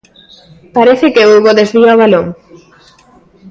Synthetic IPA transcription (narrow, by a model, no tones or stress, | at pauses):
paɾeθɪkeuɾɣoðezβiaoβaloŋ